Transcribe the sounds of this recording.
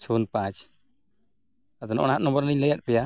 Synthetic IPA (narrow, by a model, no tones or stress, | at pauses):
sʰunpãt͡ʃ | at̪ɔnʔɔ̰ñaɦat̪̚nɔ̃mbɔɾniɲləjat̪̚pɛja